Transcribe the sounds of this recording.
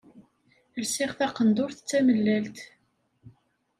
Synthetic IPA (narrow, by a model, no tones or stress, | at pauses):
əlsɪʁθæqənd̪ʊɾθt͡sːæməlːælt̪